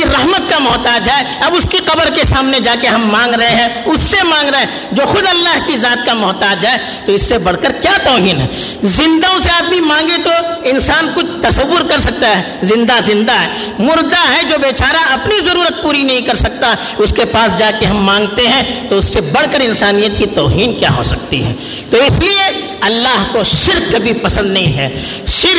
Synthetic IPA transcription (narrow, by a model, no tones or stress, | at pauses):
iɾɐɦmət̪kamɔːt̪aːd͡ʒɦɛeɐbʊskiqɐbəɾkesaːmned͡ʒaːkeɦɐmːãːŋɡɾɐɦeɦɛ̃ | ʊsːemãːŋɡɾɐe | d͡ʒoːxʊd̪ɐlːaːɦkizaːt̪kamɔːt̪aːd͡ʒɛe | t̪oɪsːebɐɽ̤kəɾkjaːt̪ɔːɦiːnɦɛ̰ | zɪ̃nd̪aoʊ̃seaːd̪mimãːŋɡet̪oɪnsaːnkʊt͡ʃʰt̪ɐsɐʋːʊɾkɐɾsɐk̚t̪aɦɛ | zɪ̃nd̪azɪ̃nd̪aɦɛː | mʊɾd̪aɦɛd͡ʒoːbeːt͡ʃaːɾaɐpnizɐɾuːɾət̪̚puːɾinɐɦĩkɐɾsɐk̚t̪aɦɛ | ʊskepaːsd͡ʒaːkeɦɐmːãːŋɡt̪eɦɛ̃t̪oʊsːebɐɽ̤kəɾɪ̃nsaːnijət̪kit̪ɔːɦiːnkja̰ːɦo̰ːsɐk̚t̪ḭɦɛ̰ː | t̪oɪslie | ɐlːaːɦkoʃɪɾkːɐbʱipɐsə̃nd̪nɐɦĩɦɛːʃɪɾ